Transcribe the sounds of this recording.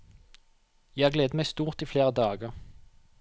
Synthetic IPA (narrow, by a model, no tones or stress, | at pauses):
jæhɑːʁɡleːd̪əmæɪst̪uːʁt̪iːfleːʁəd̪ɑːɡəʁ